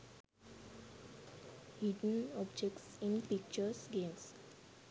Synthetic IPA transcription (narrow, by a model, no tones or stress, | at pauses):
hiɖə̃nɔbd͡ʒek̚ʈsĩnpik̚t͡ʃəsɡẽms